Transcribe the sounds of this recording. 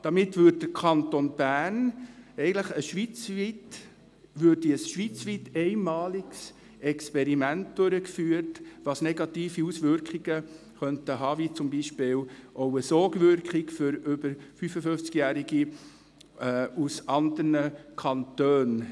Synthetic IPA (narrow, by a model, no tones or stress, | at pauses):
d̥ɑmɪtːʋʏd̚d̥əɾkʰɑntonb̥æːnɛɪɡən̩ləχəʃʋit͡sʋit | ʋøːɾdiəsʃʋit͡sʋitɛɪnmɑːlɪɡs | ɛkspɛɾimænt̚d̥ʊɾəkfyːɾtʋɑsnɛɡɑtiːfiusʋʏɾkχiɡ̥ə | χœntəɦɑːʋit͡sʊmbiʃpɪːlʔoʊəsɔːɡʋʏɾkχɪkfʏɾʏbəɾfyfəfɵft͡skjæːɾiɡi | usɑnd̪əɾnəkʰɑnt̪øːn